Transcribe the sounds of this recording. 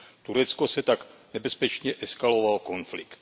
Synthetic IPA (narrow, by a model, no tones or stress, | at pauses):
t̪uɾɛt͡skosɛt̪aknɛbɛspɛt͡ʃɲɛʔɛskalo̞valko̞nflɪkt̪